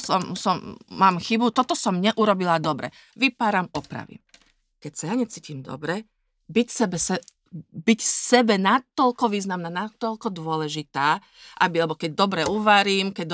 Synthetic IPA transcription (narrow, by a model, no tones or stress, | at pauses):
sɔmsɔmːaːmxibut̪ɔt̪ɔsɔmɲɛʔuɾɔbilad̪ɔbɾɛ̰ | ʋipaːɾamɔpɾa̰ʋḭ | kɛcsajaɲɛt͡siːcimd̪ɔ̰bɾɛ | bicsɛbɛsɛ | bicsɛbɛnat̪ːɔʎkɔʋiːznamnaːnat̪ːɔʎkɔd̪ʊɔlɛʒit̪aː | ʔabialɛbɔkɛɟ̚d̪ɔbɾɛuʋaɾiːmkɛɟ̚d̪